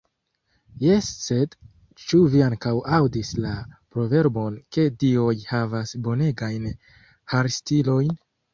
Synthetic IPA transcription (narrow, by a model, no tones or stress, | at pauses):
jesːed | t͡ʃuviaŋkawawdislapɾo̞ve̞ɾbo̞nke̞dio̞jhavasbo̞ne̞ɡajn | haɾstilo̞jn